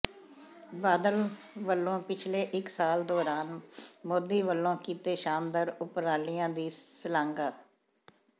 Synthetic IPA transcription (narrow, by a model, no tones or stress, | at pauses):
baːd̪əl | ʋəlːõːpɪt͡ʃʰleːʔɪksaːld̪ɔːɾaːnmod̪iːʋəlːõːkiːt̪eːʃaːmd̪əɾʊpɾaːlɪjãːd̪iːsəlãːŋɡaː